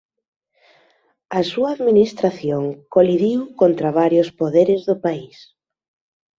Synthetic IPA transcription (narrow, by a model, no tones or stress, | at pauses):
ɐsuaːðminist̪ɾaθjoŋkoliðiwkont̪ɾaβaɾjʊspoðeɾɪzðʊpais